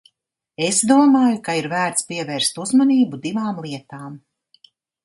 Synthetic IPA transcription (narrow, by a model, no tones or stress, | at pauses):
esd̪uɔmaːjukaiɾvæːɾt̪spiɛvɛːɾst̪uzmaniːbud̪ivaːmlˠiɛt̪aːm